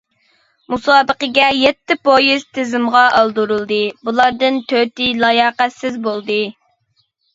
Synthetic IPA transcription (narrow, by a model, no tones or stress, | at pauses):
musɑːbəqəɡʲɛjɛt̪ʰːɪpojiz̥t̪ʰɪzɪmʁɑʔɑlˠd̪uɾulˠd̪ɨbulˠɑɾd̪ɨnt̪ʰøt̪ɪlˠɑjɑːqæt̪sɪzbolˠd̪ɨ